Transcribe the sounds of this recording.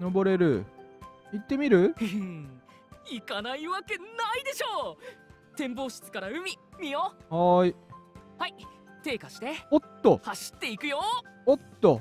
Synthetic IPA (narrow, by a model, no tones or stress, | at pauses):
no̞bo̞ɾe̞ɾɯ̟̰ | it̪ːe̞mʲiɾɯ̟ | ikanaiβake̞naid̪e̞ɕo̞ː | t̪ẽ̞mbo̞ːɕi̥t͡sɨ̥kaɾaɯ̟mʲimʲiohaihait̪e̞ːkaɕi̥t̪eot̪ːohaɕi̥t̪ːe̞ikɯ̟jo̞ot̪ːo